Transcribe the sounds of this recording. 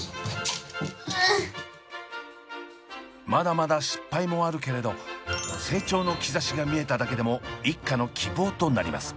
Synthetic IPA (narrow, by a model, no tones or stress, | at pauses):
mad̪amad̪aɕi̥pːaimo̞aɾɯ̟ke̞ɾe̞d̪o̞se̞ːt͡ɕo̞ːno̞kʲizaɕiɡamʲie̞t̪ad̪ake̞d̪e̞mo̞ikːano̞kʲʰibo̞ːt̪o̞naɾʲima̰sɨ̥